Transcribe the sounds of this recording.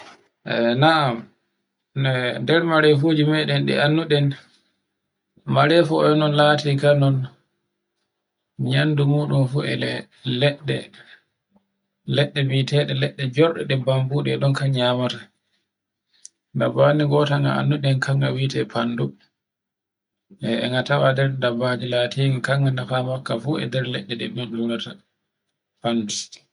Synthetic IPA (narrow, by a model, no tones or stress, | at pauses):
ʔɛ̰naam | nɛdɛɾmaɾɛfud͡ʒimɛɗɛnɗḭanːuɗɛn | maɾɛfɔnɔnlaːtikanɔn | ɲandumuːɗumfuɛ̰lɛ | lɛɗːɛ̰ | lɛɗːɛbitɛɗɛlɛɗːɛd͡ʒɔɾɗɛ̰ɗɛbambuɗɛɛɗɔnkaɲamata | dabaniɡɔtaŋɡa̰a̰nːuɗɛŋkaŋɡawitɛpʰandu | ɛɛ̰ŋɡatawadɛɾdabad͡ʒilatiːŋikaŋɡanafamakːafuɛ̰dɛɾlɛɗːɛɗɛ̰ɗuɗunata | pandu